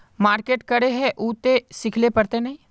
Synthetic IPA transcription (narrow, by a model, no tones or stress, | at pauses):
maːɾkeːʈkɐɾeɦɛ̃ʔuːt̪esɪkʰlepɐɾt̪enɐɦĩː